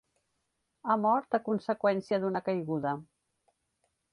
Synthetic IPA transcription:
amɔɾt̪əkunsəkwɛnsiəðunəkəjɣuðə

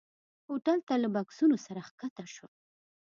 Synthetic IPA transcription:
oʈalt̪alabaksunosaɾaxkat̪aʃo

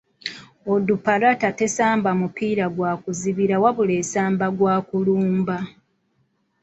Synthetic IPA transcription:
odupalatate̞saːmbamupiːɾaɡwaːkuziβiɾawaβule̞saːmbaɡwaːkuluːmba

